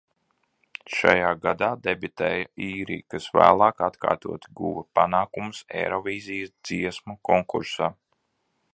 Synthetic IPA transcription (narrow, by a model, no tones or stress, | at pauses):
ʃa̰jaːɡad̪aːd̪ebit̪ɛːjaiːɾḭːkasvæ̰ːlˠɑːkat̪kʰa̰ːɾt̪uɔt̪iɡṵvɐpa̰naːkumusɛ̰ɾɔvʲiːzijɐsd̪ziɛsmɐkɔŋkuɾsaː